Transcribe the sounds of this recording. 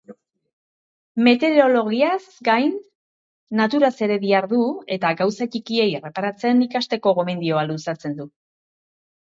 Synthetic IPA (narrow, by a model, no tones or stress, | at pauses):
me̞t̪e̞ɾo̞lo̞ɣ̞iasɡajnː | at̪uɾase̞ɾe̞βiaɾðue̞t̪aɣawsat͡ʃikie̞jere̞paɾat͡se̞nikast̪e̞ko̞ɣo̞me̞nd̪io̞alusat͡se̞nd̪u